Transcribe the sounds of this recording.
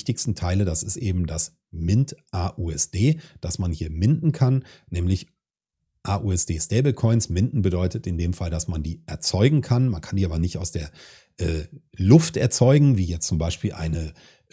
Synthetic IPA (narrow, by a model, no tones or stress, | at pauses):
tɪçstn̩tʰaɪlədasɪstʔeːbm̩das | mɪntʔaːʔuːɛsd̥eːd̥asmanhiːɐmɪndn̩kʰannɛːmlɪç | ʔaːʔuːɛsd̥eːstɛːbl̩kʰɔʏnsmɪndn̩bədɔʏtətɪndeːmfaldasmandiːʔɛɐt͡sɔʏɡŋ̩kʰanmankʰandiːaːbɐnɪçtaʊsd̥eːɐ | ʔɛːlʊftʔɛɐt͡sɔʏɡŋ̩viːjɛt͡stt͡sʊmbaɪʃpiːlʔa̰ɪnə